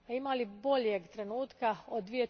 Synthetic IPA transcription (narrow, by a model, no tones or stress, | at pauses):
aimalibo̞ʎjeɡt̪ɾe̞nuːt̪kaod̪d̪ʋije̞